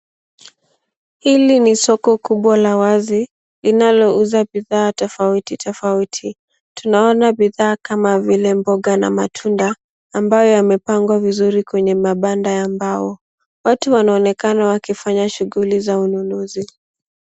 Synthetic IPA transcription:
hilinisɔkɔkuɓwalawazi | linalɔuzaɓiðaːtɔfautitʰɔfautʰi | tunaɔnaɓiðaːkamavilɛmbɔɠana̰matʰundaː | mbajɔjamɛpaŋɡwavizuɾikwɛɲɛmaɓandajambaɔ | watuwanaɔnɛkanawakifaɲaʃuɣulizaununuzi

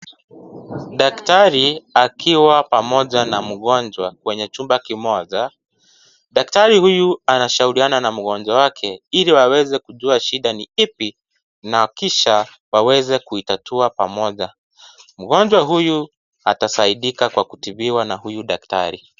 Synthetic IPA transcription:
ɗaktaɾiakʰiwapamɔʄanam̩ɠɔnd͡ʒwakwɛɲɛt͡ʃumbakimɔʄa | ɗaktaɾihujuanaʃauɾiananam̩ɠɔnd͡ʒwawakʰɛiɾiwawɛzɛkuʄuaʃiɗaniipi | nakiʃa | wawɛzɛkuitatʰuapa̰mɔʄa | m̩ɠɔnd͡ʒwaɦuju | atasaiɗikakwakutiviwanahujuɗakta̰ɾi

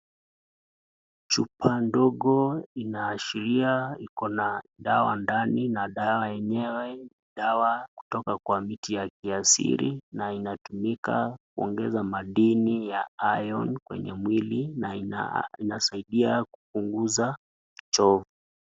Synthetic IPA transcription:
t͡ʃupʰandɔɠɔinaːʃiɾiaikɔnaɗawa̰ndaninaɗawajɛɲɛwɛniɗawaku̥tɔkakwamitijakiasḭɾḭnainatumika̰k̚uɔ̰ŋɡɛzamaɗinijaajɔnkwɛ̰ɲɛmwilin | inasaiɗiakup̚uŋɡuza | t͡ʃɔvu

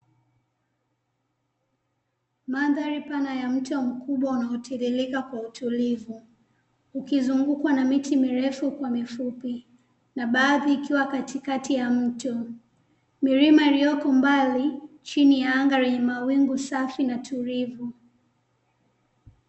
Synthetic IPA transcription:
maðaɾipanajam̩tɔm̩kʰuɓwaunaɔtʰiɾilikakwautulivu | ukizuŋɡukwanamitimiɾɛfukwamifupi | naɓaːðiːkiwakatikatijam̩tɔ | miɾimailijɔkɔmbalit͡ʃinijaaŋɡaɾɛɲɛmawiŋɡusafinatʰuɾivu

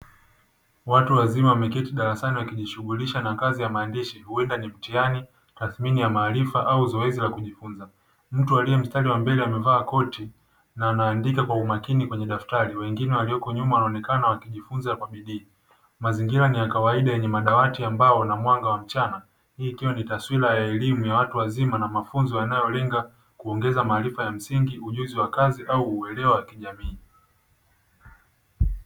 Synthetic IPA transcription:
watuwazimawamɛkɛtiɗaɾasaniwakiʄiʃuɠuliʃanakazijamaːndiʃihuɛndanim̩tiani | taθminijamaːlifaʔauzɔɛzilakuʄifunza | m̩tualiɛm̩staliwambɛlɛamɛvaːkɔti | naːnaːndikakwaumakinikwɛɲɛɗaftaɾiwɛŋɡinɛwaliɔkɔɲumawanaɔnɛkanawakiʄifunzakwaɓiɗiː | maziŋɡiɾanijakawaiɗajɛɲɛmaɗawatiambaɔnamwaŋɡawam̩t͡ʃana | hiːkiwanitaswilajaɛlimujawatuwazimanamafunzɔjanajɔlɛŋɡa | kuɔŋɡɛzamaːlifajam̩siŋɡiuʄuziwakaziʔauːɛlɛwawakiʄamiː

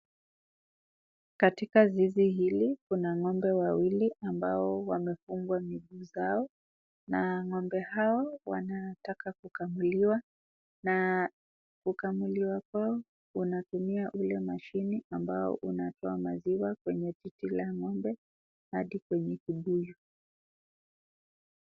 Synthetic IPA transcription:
katikazizihilikunaŋɔmbɛwawiliʔambaɔwamɛfuŋɡwamiɡuːzaɔ | naŋɔmbɛhaɔwa̰natakakukamuliwa | na | kukamuliwakwaɔ | unatumiaʔulɛmaʃiniambaɔ̰ʔunatɔamaziwakwɛɲɛtitilaŋɔmbɛ | haɗikwɛɲɛkiɓujɔ

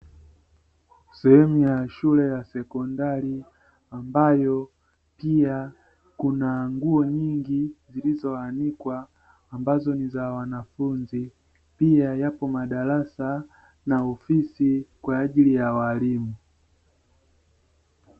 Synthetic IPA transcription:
sɛhɛmujaʃulɛjasɛkɔndali | ambajɔ | pia | kunaŋɡuɔɲiŋɡizilizɔanikwaː | mbazɔnizawanafunzi | piajapɔmaɗalasa | naɔfisikwaːʄilijawalimu

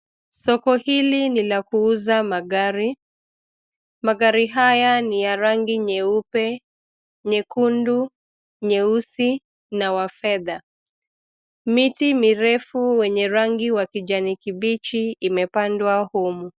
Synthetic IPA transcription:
sɔkɔhilinilakuuzamaɡaɾi | maɡaɾiɦajanijaɾaŋɡiɲɛupɛ | ɲɛkundu | ɲɛusi | nawafɛða | mitimiɾɛfuwɛɲɛɾaŋɡiwakid͡ʒanikiɓit͡ʃiimɛpandwahumu

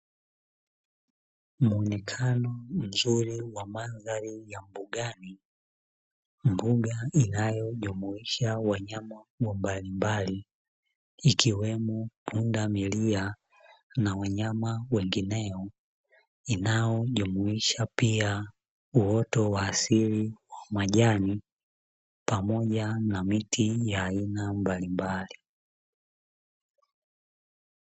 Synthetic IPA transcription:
muɔnɛkʰanɔm̩zuɾiwamanzaɾijam̩buɠani | mbuɠainajɔʄumuiʃawaɲamawɔmbalimbali | ikiwɛmɔpʰundamilia | nawaɲamawɛŋɡinɛɔ | inajɔʄumuiʃapia | uɔtɔwaːsiliwamaʄani | pamɔʄanamitʰijaːinambalimbali

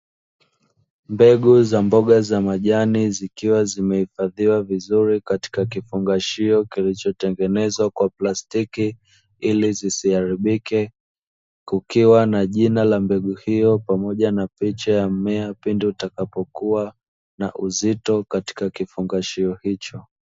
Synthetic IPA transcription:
mbɛɠuzambɔɠazamaʄanizikiwazimɛhifaðiwavizuɾikati̥kakifuŋɡaʃiɔkilit͡ʃɔtɛŋɡɛnɛzwakwaplastiki | ilizisiaɾiɓikɛ | kukiwanaʄinalambɛɠuhijɔpamɔʄanapit͡ʃajamɛapindutakapɔkua | na̰ʔuzitɔkati̥kakifuŋɡaʃiɔhit͡ʃɔ

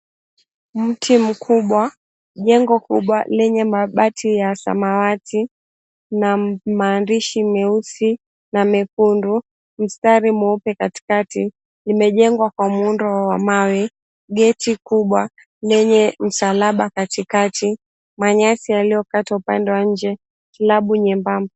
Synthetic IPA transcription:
m̩tʰim̩kʰuɓwa | ʄɛŋɡɔkuɓwalɛɲɛmaɓatʰijasa̰mawatʰi | namaːndiʃimɛusi | namɛkundu | m̩staɾimuupɛkati̥kati | limɛʄɛŋɡwakwamundɔwamawɛ | ɡɛtikuɓwa | lɛɲɛm̩salaɓakatikati | maɲasialijɔkataupandɛwaɲ̩d͡ʒɛ | kilaɓuɲɛmbamb

